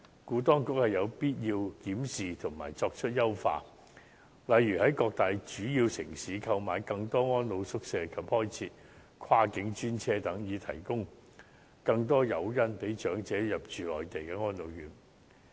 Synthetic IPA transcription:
kuː˨˥t̪ɔː˥ŋkʊ˨˥k̚hɐ˨jɐ˨˧wpiː˥t̚jiː˧wkiː˨˥msiː˨t̪ʰʊ˨˩ŋma̰ː˨˩jt͡sɔː˧k̚t͡ʃʰɵ˥t̚jɐ˥wfa̰ː˧ | lɐ˨˧jːyː˨˩hɐ˨˥jkɔː˧k̚t̪aː˨jt͡ʃyː˨˥jiː˧wsɪ˨˩ŋsiː˨˥kʰɐ˧wmaː˨jkɐ˧ŋt̪ɔː˥ŋɔː˥nlo˨˧wsʊ˥k̚sɛː˧kʰɐ˨p̚hɔː˥jt͡sʰiː˧t̚ | kʷʰaː˥kɪ˨˥ŋt͡ʃyː˥nt͡sʰɛː˥t̪ɐ˨˥ŋjiː˨˧t̪ʰɐ̰˨˩jkʊ˥ŋ | kɐ˧ŋt̪̬ɔː˥jɐ˨˧wjɐ˥npe˨˥jt͡ʃœː˨˥ŋt͡sɛː˨˥jɐ˨p̚t͡ʃyː˨lɔ̰ː˨jt̪e˨jkɛː˧ŋɔː˥nlo˨˧wjyː˨˥n

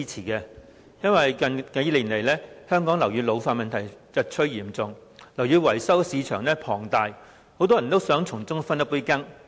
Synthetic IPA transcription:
i˥t͡sʰiː˨˩kɛː˧ | jɐ˥nwɐ˨jkɐ˧nkɐ˨˧˥jliː˨˩nle˨˩jlɛː˥hœː˥ŋkɔː˨˥ŋlɐ˨˩wjyː˨˧lo˨˧wfaː˧n̚mɐ˨nt̪ʰɐ˨˩jt͡sɐ˨˧t̚t͡ʃʰɵ˥jiː˨˩mt͡sʊ˨˧ŋ | lɐ˨˩wjyː˨˧wɐ˨˩jsɐ˥wsiː˨˧t͡ʃʰœ̰ː˨˩ŋlɛː˥pʰɔː˨˩ŋt̪aː˨˧j | ho˨˥wt̪̬ɔː˥jɐ˨˩nt̪o˥wsœː˨˥ŋt͡sʰʊ˨˩ŋt͡sʊ˥ŋfɐ˥nːɐ˥pːuː˥jkɐ˥ŋ

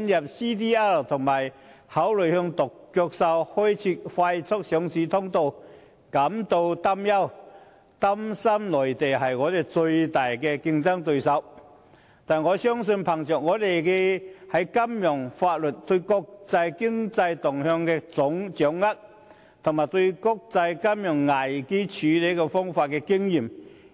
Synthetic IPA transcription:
njɐ˨˩p̚si˥t̪iː˥ɛ˥t̪ʰʊ˨˩ŋmaː˨˩j | ha˨˥wlɵ˨˩jhœː˧ŋt̪ʊ˨˩kkœː˧k̚sɐ˧whɔː˥jt͡sʰiː˧˥fa˧jt͡sʰʊ˥k̚sœ˨˥ŋsiː˨˥t̪ʰʊ˥ŋt̪o˧w | kɐ˨˥mt̪o˧wt̪a˥mjɐ˥w | t̪a˥msɐ˥mlɔː˨˩jt̪e˨˩jɦɐ˨˩jŋɔː˨˧t̪e˨˩jt͡sɵ˧ɥt̪aː˨˩jkɛ˧kɪ˧ŋt͡sɐ˥ŋt̪ɵ˧ɥsɐ˧w | t̪aː˨˩nŋɔː˨˧sœː˥ŋs̬ɵ˧npʰɐ˨˩ŋt͡ʃœː˨k̚ŋɔː˨˧˥t̪e˨jkɛ˧hɐ˨˥jkɐ˥mjʊ˨˩ŋfaː˧t̚lɵ˨t̚t̪ɵ˧kɔ˧k̚t͡sɐ˧jkɪ˥ŋt͡sɐ˧jt̪ʊ˨˩ŋhœː˧ŋkɛː˧t͡sʊ˨˧˥ŋt͡sœ˨˥ŋːɐ˥k̚ | t̪ʰʊ˨˩maː˨˩t̪ɵ˧ɥkʊ˥k̚t͡sɐ˧jkɐ˥mjʊ˨˩ŋːa˨˩jke˥t͡sʰyː˨˧˥le˨˥kɔ˧fɔː˥ŋfaː˧t̚kɛː˧kɪ˥ŋjiː˨˩m

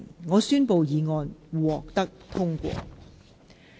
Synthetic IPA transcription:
nŋɔː˨˧syː˥npo˨˧wjiː˨˧ŋɔː˧nwuː˨˩ɔː˨k̚t̪ɐ˥k̚t̪ʰʊ˥ŋkʷɔ̰ː˧

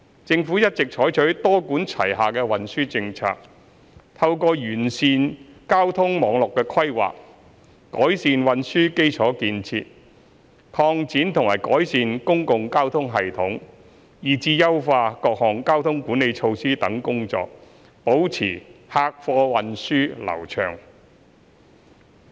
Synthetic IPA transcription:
t͡sɪ˧ŋfuː˨˥jɐ˥t̚t͡sɪ˨k̚t͡ʃʰɔː˨˥jt͡ʃʰɵ˨˥ɥt̪ɔː˥kuː˨˥nt͡sʰɐ̰˨˩jɦaː˨kɛː˧wɐ˨˧nsyː˥t͡sɪ˧ŋt͡sʰa̰ː˧k̚ | t̪ʰɐ˧wkɔː˧jyː˨˩nsiː˧n | kaː˥wt̪ʰʊ˥ŋmɔː˨˧ŋlʊ˨kːɛː˧kʰɐ˥jwa̰ː˨k̚ | kɔ̰ː˨˥jsiː˨˧nwɐ˨˧nsyː˥ke˥jt͡ʃʰɔː˨˥kiː˧nt͡sʰḭː˧t̚ | kʰɔː˧ŋt͡siː˨˥nt̪ʰʊ˨˩ŋma̰ː˨˩jkɔː˨˥jsiː˨˧nkʊ˥ŋkʊ˧ŋkaː˥wt̪ʰʊ˥ŋɦɐ˨˩jt̪ʰʊ˨˥ŋ | jiː˨˩t͡siː˧jɐ˥wfaː˧kɔː˧k̚hɔː˨˩ŋkaː˥wt̪ʰʊ˥ŋkuː˨˥nːe˨˧jt͡ʃʰo˧wsiː˥t̪ɐ˨˥ŋkʊ˥ŋt͡sɔ̰ː˧k̚ | po˨˥wt͡sʰḭː˨˩haː˧k̚fɔː˧wɐ˧nsyː˥lɐ̰˨˩wt͡ʃʰœ̰ː˨˩ŋ

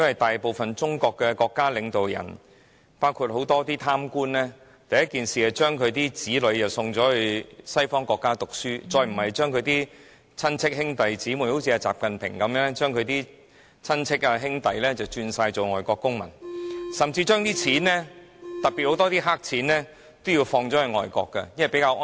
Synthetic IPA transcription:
jɐ˥nwɐ˨˩jt̪aː˨jpo˨wfɐ˨nt͡ʃʊ˥ŋkɔː˧kːɛ˧kɔː˧kːaː˥lɪ˨˧ŋt̪o˨wjɐ̰˨˩n | paː˥wkʰuː˧t̚ho˨˥wt̪ɔː˥t̪iː˥t̪ʰaː˥mkuː˥nlɛː˥ | t̪ɐ˨jɐ˥t̚kiː˨nsiː˨ha˨t͡ʃœː˥ŋkʰɵ˨˧t̪iː˥t͡siː˨˥lɵ˨˧ɥt͡sɐ˨wsʊ˧ŋt͡sɔː˨˥hɵ˧sɐ˥jfɔː˥ŋkɔː˧kːaː˥t̪ʊ˨k̚syː˥t͡sɔː˧jm̩˨˩hɐ˨jt͡ʃœː˥ŋkʰɵ˧ɥt̪iː˥ | t͡sʰɐ˥nt͡sʰɪ˥k̚hɪ˥ŋt̪ɐ˨jt͡siː˨˥mu˨˩nho˨˧˥wt͡sʰiː˧aː˧t͡sa̰ː˨p̚kɐ˨npʰɪ̰˨˩ŋkɐ˨˧mjœː˧ŋɛ˥t͡ʃœː˥ŋkʰɵ˧t̪iː˥ | t͡sʰɐ˥nt͡sʰɪ˥k̚ɐ˧ɦɪ˥ŋt̪ɐ˨jlɛː˥t͡sɐ˨wt͡ʃyː˧nsaː˧jt͡so˨wŋɔː˨˩jkɔː˧kːʊ˥ŋmɐ̰˨˩nsɐ˨mt͡siː˧t͡ʃœː˥ŋt̪iː˥t͡sʰiː˨˥nːɛː˥t̪ɐ˨pi˨t̚ho˧˥t̪ɔː˥t̪iː˥ɦaː˥k̚t͡sʰiː˨˥nlɛː˥ | t̪o˥wjiː˧wfɔː˧ŋt͡sɔː˨˥ɵ˧ŋɔː˨jkɔ̰ː˧kːɐ̰˧jnhpe˨˥jkaː˧wʔː

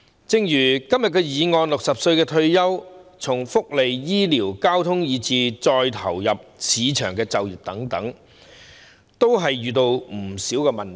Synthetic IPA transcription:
t͡sɪ˧ŋjyː˨˩kɐ˥mjɐ˨t̚kɛ˧jiː˨˧ŋɔː˧nlʊ˨k̚sɐ˨p̚sɵ˧ɥkɛː˧t̪ʰɵ˧ɥjɐ˥wt͡sʰʊ˨˩ŋfʊ˥k̚le˨jːiː˥liː˨˩wkaː˥wt̪ʰʊ˥ŋjiː˨˧t͡siː˨˧t͡sɔː˧jt̪ʰɐ˨˩wjɐ˨p̚sʰiː˨˧t͡ʃʰœː˨˩ŋkɛː˧t͡sɐ˨wjyː˨p̚t̪ɐ˨˥ŋt̪ɐ˨˥ŋ | t̪o˥wɦɐ˨jɥyː˨t̪o˧wm̩˨˩siː˨˥wkɛː˧mɐ˨n

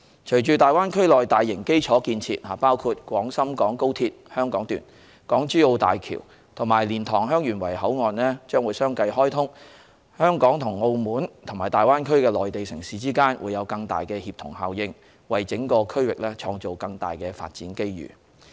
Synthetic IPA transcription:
t͡ʃʰɵ˨˩ɥt͡ʃyː˨t̪aː˨jwaː˥nkʰɵ˥ɥlɔː˨jt̪aː˨jːɪ˨˩ŋke˥jt͡ʃʰɔː˨˥kiː˧nt͡sʰḭː˧t̚haː˨˩paː˥wkʰuː˧t̚kʷɔː˨˥ŋsɐ˥mkɔː˨˥ŋko˥wt̪ʰiː˧t̚hœː˥ŋkɔː˨˥ŋt̪y̰ː˨˩n | kɔː˨˥ŋt͡ʃyː˥o˧wt̪a̰ː˨jkʰḭ˨˩w | t̪ʰʊ˨˩ŋmaː˨˩jliː˨˩nt̪ʰɔː˨˩ŋɦœː˥ŋjyː˨˩nwɐ˨˩jhɐ˨˥wŋɔː˨nlɛː˥t͡ʃœː˥ŋwuː˨˧jsœː˥ŋkɐ˧jɦɔː˥jt̪ʰʊ˥ŋ | hœː˥ŋkɔː˨˥ŋt̪ʰʊ˨˩ŋo˧wmuː˨˥nt̪ʰʊ˨˩ŋmaː˨˩jt̪aː˨jwaː˥nkʰɵ˥ɥkɛː˧lɔː˨jt̪e˨jsɪ˨˩ŋsiː˨˩t͡siː˥kaː˥nwʔṵː˨˧jːɐ˨˧wkɐ˧ŋt̪a̰ː˨jkɛː˧hiː˧p̚t̪ʰʊ˨˩ŋɦaː˨wjɪ˧ŋ | wɐ˨jt͡sɪ˨˥ŋkɔː˧kʰɵ˥ɥwɪ˨k̚lɛː˥t͡ʃʰɔː˧ŋt͡so˨˩wkɐ˧ŋt̪a̰ː˨jkɛː˧fa̰ː˧t̚t͡siː˨˥nke˥jjy̰ː˨˩

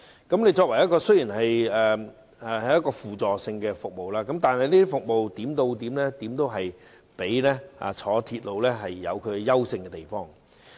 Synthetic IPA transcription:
kɐ˨˥mne˨˧jt͡sɔː˧k̚wɐ˨˩jɐ˥kɔː˧sɵ˥jiː˨˩nhɐ˨jɛː˨˩ | ɛː˨˩hɐ˨˩jːɐ˥t̚kɔː˧fuː˨t͡sɔː˨sɪ˧ŋkɛ˧fʊ˨k̚mo˨wlaː˥kɐ˨˦˥mt̪aː˨˩nhɐ˨jniː˥d̪i˥fʊ˨k̚mo˨wt̪iː˨˥mt̪o˧wt̪iː˨˥mlɛː˥t̪iː˨˥mt̪o˥wɦɐ˨j | pe˨˥jlɛ˥a̰ː˧˩t͡ʃʰɔː˨˥t̪ʰiː˧t̚lo˨˧wlɛː˥ɦɐ˨jːɐ̰˨˧wkʰɵ˨˧jɐ˥wsɪ˧ŋkɛ˧t̪e˨˩jfɔː˥ŋ

